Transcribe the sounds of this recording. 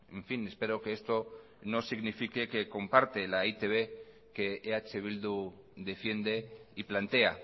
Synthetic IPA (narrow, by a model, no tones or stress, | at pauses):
eɱfine̞spe̞ɾo̞keest̪o̞ | no̞siɣnifike̞ke̞ko̞mpaɾt̪e̞lait̪e̞βe̞ | ke̞eat͡ʃe̞βild̪u | d̪e̞fje̞nd̪e̞iplant̪e̞a